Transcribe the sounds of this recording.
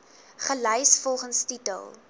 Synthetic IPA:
χələjsfɔlˠχənstitə̰lˠ

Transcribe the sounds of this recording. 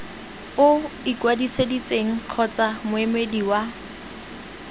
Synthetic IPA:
ʊikwadisedit͡sʼeŋ̩q͡χʰɔt͡samʊemediwa

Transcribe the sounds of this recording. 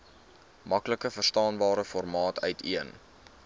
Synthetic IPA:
mɐkləkəfərstɑːnbɑːɾəfɔrmɑːtʰœɥtʰiən

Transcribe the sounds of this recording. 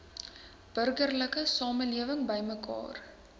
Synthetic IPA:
b̥ərɡərləkəsɑːməliəvəŋbəjməkɑ̰ːr

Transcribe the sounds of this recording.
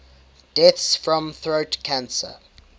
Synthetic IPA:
d̥ɛθsfɹɔ̃mθɹoʊtkʰãnsə̰

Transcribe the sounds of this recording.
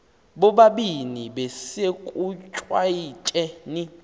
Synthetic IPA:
ɓɔɓaɓiniɓɛsekʼut͡ʃʼwait͡ʃʼɛni

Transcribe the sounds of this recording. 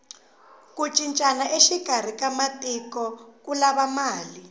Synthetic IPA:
kut͡ʃʼint͡ʃʼanaʔeʃiɡ̥ʱar̤ikamatʼikɔk̬ulaβamaːli

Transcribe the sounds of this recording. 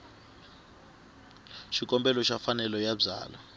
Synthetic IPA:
ʃikʼɔmbɛlɔʃafanɛlɔjab͡ʐa̰ːla

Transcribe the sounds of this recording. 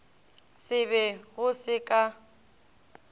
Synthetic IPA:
sɪβɛɣʊsɪkʼa

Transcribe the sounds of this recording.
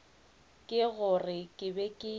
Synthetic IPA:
kʼɪɣʊrɪkʼɪbɛkʼɪ

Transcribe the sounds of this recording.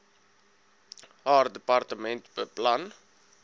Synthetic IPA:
ɦaːrdəpɐrtəmɛntbəplɐn

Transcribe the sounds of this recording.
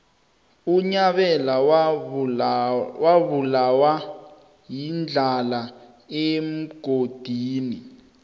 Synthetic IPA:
uɲaɓɛla | waβulawa | jind͡ɮʱala | em̩ɡ̥ʱod̥ʱiːni

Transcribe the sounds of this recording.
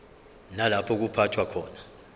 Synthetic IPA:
nalapʰɔk̬upʰatʰwakʰɔːna

